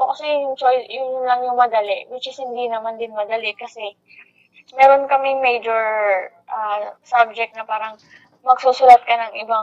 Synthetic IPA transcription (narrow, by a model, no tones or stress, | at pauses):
ʔokɐsɛjʊŋt͡ʃojsjʊnlɐŋjʊŋmɐd̪ɐlɛʔwɪt͡ʃɪshɪnd̪inɐmand̪ɪnmɐd̪ɐlɪʔkɐsɛ | mɛːɾo̞nkɐmɪŋmɛjd͡ʒoɹʔasab̚d͡ʒɛk̚t̪̚nɐpaːɾɐŋ | mɐɡ̥susʊlɐt̪̚kɐnɐŋɪba